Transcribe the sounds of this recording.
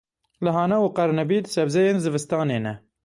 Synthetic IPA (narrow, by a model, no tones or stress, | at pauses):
lɨɦɑːnɛuqɛɾnɛbiːt̪sɛbzɛjeːnzɨvɨst̪ɑːneːnɛ